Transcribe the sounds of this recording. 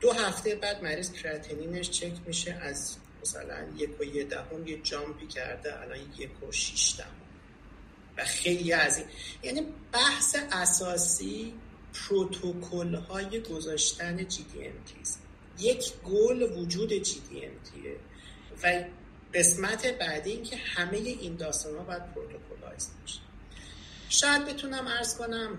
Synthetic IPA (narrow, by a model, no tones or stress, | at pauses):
d̪̥oɦæft̪ʰe̞jbæd̪̚mæɾiːskʰɾæt̪ʰeniːne̞ʃt͡ʃʰe̞cʰmiʃeʔæz | mæsæ̰læ̰njekʰojed̪æ̰ho̞mjed͡ʒɒːmpʰicʰæ̰ɾd̪eʔæ̰lɒ̰ːnjekʰoʃiʃd̪æ̰hom | væxe̞jlijæziːnjæniːb̥æhse̞ʔæsɒːsiː | pʰɾot̪ʰokʰolhɒːje̞ɡo̞zɒːʃt̪æne̞d͡ʒiːd̪ḭḛnt̪ʰḭs | je̞cʰɡolvud͡ʒuːd̪e̞d͡ʒiːd̪ḭḛmt̪ʰḭḛ | væ | ɢe̞smæt̪ʰe̞bæd̪iiːncʰe̞hæme̞je̞ʔind̪ɒːst̪ɒːnhɒːbɒjæd̪̚pʰɾot̪ʰokʰolhɒ̰ːjesbɒʃe̥ | ʃɒːjæd̪̚be̞t̪ʰunæmæɾz̥ko̞næm